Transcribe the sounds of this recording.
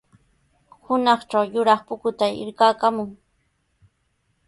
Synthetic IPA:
hʊnɑχt͡ʃawjʊɾɑχpʊkʊt̪aɪ̰ɾkaːkamʊŋ

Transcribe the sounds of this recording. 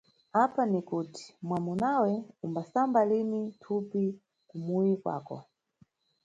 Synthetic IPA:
apanikuti̥mwamunawɛumbasambalinitʰupi | kumujikwa̰ːkɔ̰

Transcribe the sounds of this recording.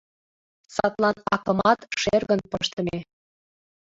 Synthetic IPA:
sɑt̪lɑnɑkɤ̆mɑt̪ʃerɣə̆npəʃt̪əme

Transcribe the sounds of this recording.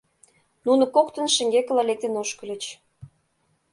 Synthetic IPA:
nunə̆kokt̪ə̆nʃə̆ŋɡekə̆lɑlek̚t̪enoʃkə̆lʲə̆t͡ɕ

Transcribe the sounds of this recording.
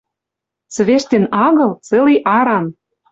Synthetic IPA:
t͡sə̆βeʃt̪ʲenɑɣɤ̆lt͡sĕliʔɑɾɑn

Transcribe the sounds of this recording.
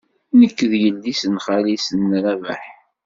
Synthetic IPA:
nəkːðjəlːisənχalisənːɾævæ̰ħ

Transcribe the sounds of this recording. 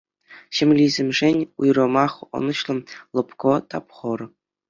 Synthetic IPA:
ɕɘ̆mʲlʲizʲɘ̆mʲʐenʲujrɤ̆mɑχɤ̰̆nɤ̆ɕlˠɤ̆mlˠɤ̆pkot̪ɑpχɤ̆ɾɤ̆

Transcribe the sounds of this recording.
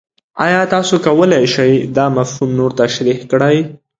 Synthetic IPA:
ɑjɑt̪ɑsokawəlajʃajd̪ɑmafhumnoɾt̪aʃɾihkɽaj

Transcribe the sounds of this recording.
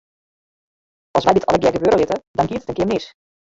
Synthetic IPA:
ɑlˠsʋɛjdɪtʰɑ̰ləɡjɛɡəbøːɾəlɪtədɔnkiːətətənkɪːmɪs

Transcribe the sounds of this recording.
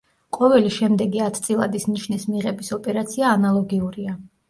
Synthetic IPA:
qʼɔvɛliʃɛmd̪ɛɡiat̪ʰt̪sʼilˠad̪isniʃnismiʁɛbisɔpʼɛɾat̪sʰiaːnalˠɔɡiuɾia

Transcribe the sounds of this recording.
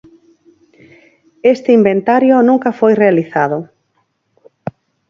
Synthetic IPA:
est̪ɪimbent̪aɾjʊnũŋkɐfojrealiθað̞ʊ

